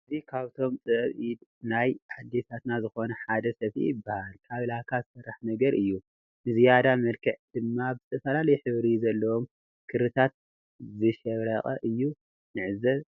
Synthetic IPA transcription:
ʔɨzikʰaβt̪ʰo̞mt͡sʼɨβʔid̪najʔad̪ːe̞t̪ʰat̪nazɨxo̞nɐħad̪ɐsɐfḭjɪbːahalkʰaβlakʰazɨsɐrːaħnɐɡɐɾʔɨjːu | nɨzijad̪amɐlkʰɨʕd̪̥ɨmːabɨzɨt̪ʰɐfɐlalɐjħɨβɾizɐlːɐwom | kʰɨɾɨt̪ʰat̪̚ | zɨʃɐβɾɐχʼɐʔɨjːu | nɨʕɨzɐβ

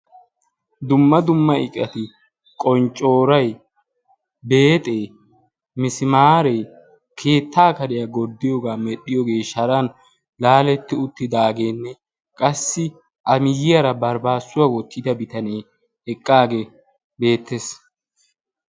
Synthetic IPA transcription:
d̪ʊmːɐd̪ʊmːɐɪkʼːɐt̪ɪ | kʼɔnt͡ʃʼːo̞ːɾɐj | be̞ːt̪ʼeː | mɪsɪmaːɾe̞ː | kʰe̞ːt̪ːaːkɐd̪ɪjɐɡɔd̪ːɪjoɡaːmɛɗːɪjɔɡe̞ːʃɐɾɐn | laːlɛt̪ːɪʊt̪ːɪd̪aːɡe̞ːnːɛ | kʼɐsːɪ | ʔɐmɪjɪjɐɾɐbɐɾbaːsːʊwawɔt̪ːɪd̪ɐbɪt̪ɐneː | ɛkʼːaːɡe | be̞ːt̪ʰːeːs

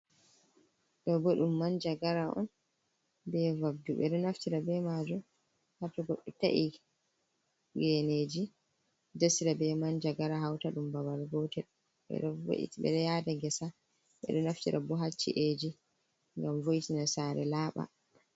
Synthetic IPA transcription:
ɗɔbɔɗumːand͡ʒaɡaɾaʔɔ̰n | bɛvabduɓɛ̰ɗɔnaftiɾabɛmad͡ʒɔ | hatːaɡɔɗːɛta̰ʔi | ɡɛneːd͡ʒi | d͡ʒasiɾabɛmand͡ʒaɡaɾaɦawtaɗumbabalɡoːtɛɗ | ɓɛ̰ɗɔvo̰ʔḭtiɓɛ̰ɗɛjaːdaɡɛsa | ɓɛ̰ɗɔnaftiɾʔa̰bɔɦat͡ʃːḭʔed͡ʒi | ŋɡamvoitinasaːɾɛ̰laːɓa̰

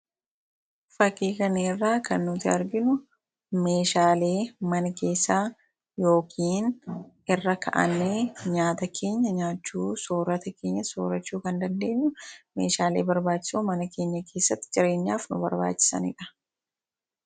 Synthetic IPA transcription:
fɐkiːkɐneːrːaːkɐnːʊt̪ɪɐɾɡɪnʊ | me̞ːʃaːle̞ːmɐnɐke̞ːsːaː | jo̞ːkʰiːnʔɪrːɐkʰɐʔɐ̰nːeːɲaːt̪ɐkʰe̞ːɲːɐɲaːt͡ʃːuːso̞ːɾɐt̪ɐke̞ːɲːɐso̰ːɾɐt͡ʃːuːkɐnd̪ɐnd̪e̞ːɲːʊme̞̰ːʃaːle̞̰ːbɐɾbaːt͡ʃːɪ̥soːmɐnɐke̞ːɲːɐkʰe̞ːsːɐt̪ːɪd͡ʒɪɾe̞ːɲːaːfnʊbɐ̰ɾba̰ːt͡ʃːɪ̥sɐ̰nɪ̰ᶑɐ̥

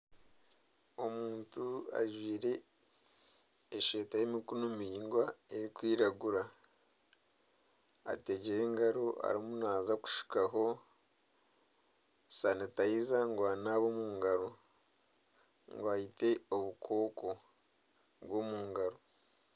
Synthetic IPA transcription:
omuːntua̰ʒwiːɾe̞ | ʃe̞ːtajemikunomiɾiːŋɡwaeɾikwiːɾaɡuɾa | a̰te̞ɟeɾe̞ːŋɡaɾoa̰ɾimunaːzaku̥ʃi̥kaɦo̞ | sanetajizaŋɡwaːnaβomuːŋɡaɾo | ŋɡoahite̞oβukʰo̞ːko̞ | βwo̞muːŋɡaɾo̞

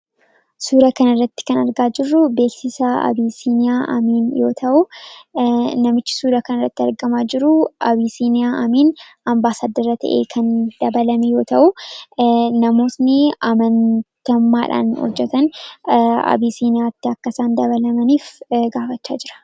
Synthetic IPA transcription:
suːɾɐkɐnɐrːɐt̪ːɪ̥kɐnɐɾɡaːd͡ʒɪrːʊbe̞ːksɪsɐɐ̰biːsiːnɪjaːʔɐ̰miːnjo̞ːt̪ʰɐʔʊ | nɐmɪt͡ʃːɪ̥suːɾɐkɐnɐrːɐt̪ːɪɐɾɡɐmaːd͡ʒɪɾʊʔɐbiːsiːnɪjaːʔɐmiːn | ɐmbaːsaːd̪ɐɾɐt̪ɐ̰ʔḛːkʰɐnd̪̥ɐbɐlɐmɛjo̞ːt̪ɐʔʊ | nɐmo̞ːt̪nɪɐmɐnt̪ɐmːaːᶑa̰ːnhɔ̰d͡ʒːɛt̪ɐn | ɐ̰biːsiːnɪjaːt̪ːɪɐkːɐsaːnd̪ɐβɐlɐmɐniːfɡaːfɐt͡ʃːa̰ːd͡ʒɪɾɐ̥

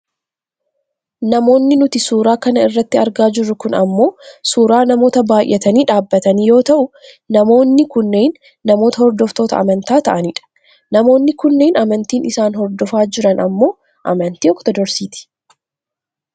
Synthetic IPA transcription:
nɐmo̞ːnːɪnʊt̪ɪsuːɾaːkɐnɐɪrːɐt̪ːɪɐɾɡaːd͡ʒɪrːʊkʊnɐmːo̞ːsuːɾaːnɐmo̞ːt̪ɐbaːjʔɛt̪ɐniːᶑaːbːɐt̪ɐniːjo̞ːt̪ɐʔʊ | nɐmo̞ːnːɪkʊnːe̞ːnː | ɐmo̞ːt̪ɐhɔɾd̪ɔft̪o̞ːt̪ɐ̰ɐ̰mɐnt̪aːt̪ɐʔɐnɪᶑɐ̥ | nɐmo̞ːnːɪkʊnːe̞ːnɐmɐnt̪iːnɪsaːnɦɔɾd̪ɔfaːd͡ʒɪɾɐnɐmːo̞ː | ʔɐ̰mɐnt̪iːɔkt̪ɔd̪ɔɾsiːt̪ɪ̥

